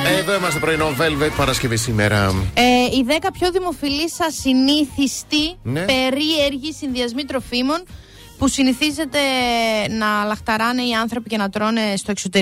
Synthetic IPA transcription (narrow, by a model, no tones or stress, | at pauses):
eðoimɐst̪e̞pɾoinovelvet̪pɐɾɐscevisimḛɾɐ̰eiðe̞kɐpçoðimo̞filisɐsiniθist̪inpe̞ɾieɾʝisinðiɐzmit̪ɾo̞fimo̞n | pusiniθize̞t̪e̞nɐlɐxt̪ɐɾɐne̞iɐnθɾo̞pice̞nɐt̪ɾo̞ne̞st̪o̞ekso̞t̪e̞